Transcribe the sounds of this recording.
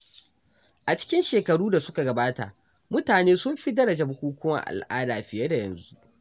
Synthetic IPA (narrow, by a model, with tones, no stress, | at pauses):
ʔa˨t͡ʃɪ̥˦kʲɪ˦nʃeː˨kɐ˨ɽuː˦da˨sʊ˦ka˨ɡɐ˨baː˦ta˨ | mʊ˦taː˨neː˦sʊ˦mɸi˦dɐ˦ɽɐ˨d͡ʒa˨bʊ˨kʷuː˦kʷʊ˦ma̰˦˨ʔa̰˨lʔa̰ː˦daː˨ɸɪ˨jɐ˦da˨jɐ̰˨nzu˦ʔ